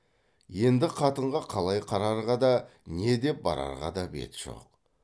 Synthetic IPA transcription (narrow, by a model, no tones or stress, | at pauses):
je̞nd̪ɪqʰɑt̪əɴʁɑqʰɑlˠɑjqʰɑɾɑɾʁɑd̪ɑne̞d̪e̞p̚bɑ̰ɾɑ̰ɾʁɑ̰d̪ɑbe̞̰t̪ʒ̥o̞̰q̚